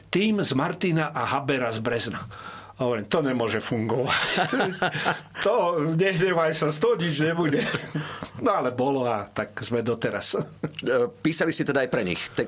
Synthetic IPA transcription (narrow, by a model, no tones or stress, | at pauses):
t̪iːmzmaɾt̪inaʔaɦabɛɾazbɾɛzna | ɦɔʋɛɾɛmt̪ɔɲɛmʊɔʒɛfuŋɡɔʋac | t̪ɔɲɛɦɲɛʋajsast̪ɔɲid͡ʒɲɛbuɟɛ | nɔalɛbɔlɔat̪akzmɛd̪ɔt̪ɛɾas | piːsalisit̪ɛd̪aːjpɾɛɲḭxt̪ɛ